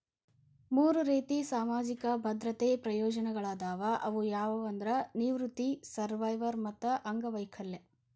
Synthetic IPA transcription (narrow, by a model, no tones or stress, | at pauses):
muːɾuɾiːt̪isaːmaːd͡ʒikɐbʱɐd̪ɾɐt̪eːpɾɐjɔːd͡ʒɐnɐɡɐɭaːd̪aːʋɐʔɐʋujaːʋɐʋɐnd̪ɾɐniʋɾut̪isɐɾʋɐjʋɐɾmɐt̪ːɐʔɐŋɡɐʋɐjkʰɐlːe